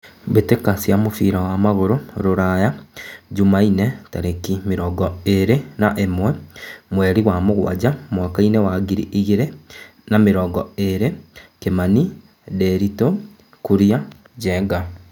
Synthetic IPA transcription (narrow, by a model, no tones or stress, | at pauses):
βetekasjamofiːɾawamaɣoɾoɾoɾajaɟumainetaɾekimeɾɔɡɔeɾenaʔemwɛmweɾiɣwamoɣwa̰ɟamwakainewaɡiɾiʔiɣiɾe | nameɾɔːɡɔeɾekemani | deɾito | kuɾija | ɟɛɡa